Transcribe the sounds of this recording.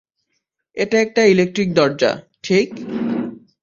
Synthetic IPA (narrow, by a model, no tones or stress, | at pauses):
eʈaɛk̚ʈailek̚ʈɾik̚d̪ɔɾd͡ʑa̰ | ʈʰik